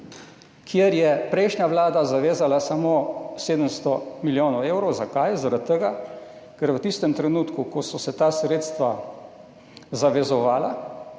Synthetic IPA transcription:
kʰjeɾjɛpɾɛjʃnʲjaʋlaːd̪azaʋeːzalasamoːseːd̪əmst̪ɔmiljoːnɔweːwɾɔwzakajzaɾat̪ːəɡa | kɛɾʋət̪ist̪əmt̪ɾɛnuːt̪kukɔsɔsɛt̪aːsɾeːt̪st̪ʋa | zaʋɛzɔʋaːla

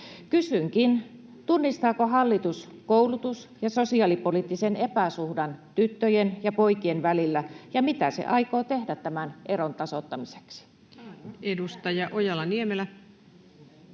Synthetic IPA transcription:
kysyŋkint̪unːist̪ɑːkoɦɑlːit̪uskoulut̪usjɑsosiɑlipolit̪ːisenepæsuhdɑnt̪yt̪ːøjenjɑpoikienʋælilːæjɑmit̪æsḛʔɑikoːt̪ehdæt̪tæmænʔeɾont̪ɑsot̪ːɑmise̥ksi̥ | edust̪ɑjɑʔojɑlːɑniemelæ

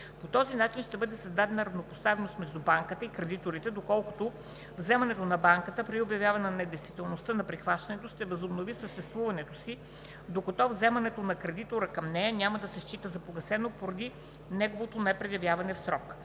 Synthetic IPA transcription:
pot̪ɔzinat͡ʃinʃt̪ɛbɤd̪ɛsɐzd̪ad̪ɛnɐɾɐvnopost̪avɛnost̪mɛʒd̪ubaŋkət̪əikɾɛd̪it̪oɾit̪ɛd̪okɔlˠko̥t̪o | vzɛmɐnɛt̪onɐbaŋkət̪əpɾiobjɐvʲjavɐnnɛd̪ɛjst̪v̥ʲit̪ɛlˠnost̪ənɐpɾixvaʃt̪ɐnɛt̪oʃt̪ɛvɐzobnovisəʃt̪ɛst̪vuvɐnɛt̪osi | d̪okot̪ɔvzɛmɐnɛt̪onɐkɾɛd̪it̪oɾəkɐmnɛjɐnʲaməd̪ɐsɛʃt͡ʃit̪əzɐpoɡɐsɛnopoɾɐd̪i | nɛɡovot̪onɛpɾɛjɐvʲjavɐnɛfsɾɔk

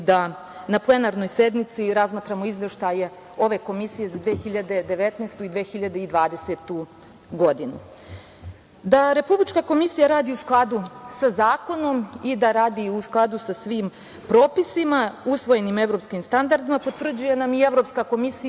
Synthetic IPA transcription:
d̪a | naplˠe̞naɾno̞jse̞d̪nit̪siɾazmaːt̪ɾamoizʋe̞ʃt̪aje̞ | o̞ʋe̞ko̞misije̞zad̪ʋeːxiʎad̪e̞d̪e̞ʋe̞t̪neːst̪uid̪ʋeːxiʎad̪e̞id̪ʋaːd̪e̞set̪u | ɡo̞d̪inu | d̪aɾe̞publit͡ʃkako̞misijaɾaːd̪iusklˠad̪usazaːko̞no̞mid̪aɾaːd̪iusklˠad̪usasʋim | pɾo̞ːpisimausʋo̞je̞nime̞ʋɾo̞pskimst̪and̪aɾd̪imapo̞t̪ʋr̩d͡ʑuje̞namie̞ʋɾo̞pskako̞misi

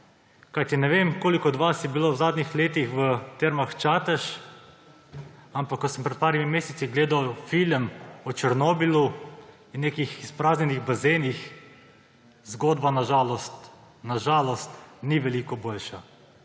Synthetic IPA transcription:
kajt̪inɛʋeːmkoːlikɔd̪ʋasjɛbilowzaːd̪nʲixleːt̪ixʋət̪eɾmaxt͡ʃaːt̪əʃ | ampakːɔsəmpɾɛt̪̚paːɾimimeːsɛt̪siɡleːd̪awfiləmɔt͡ʃəɾnoːbilu | innːeːkixispɾaːznʲɛniɣbazenix | zɡoːd̪banaʒalɔst̪ | naʒaːlɔst̪niʋɛliːkɔboːlʃa

